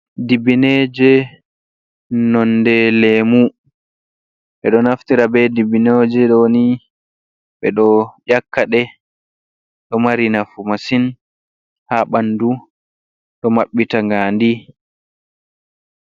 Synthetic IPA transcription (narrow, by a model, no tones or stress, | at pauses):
dibined͡ʒɛ | nɔndɛleːmu | ɓɛɗɔnaftiɾabɛdibinod͡ʒɛɗɔni | ɓɛɗɔʄakːaɗɛ | ɗɔmaɾinafumasin | haɓandu | ɗɔmaɓːitaŋɡandi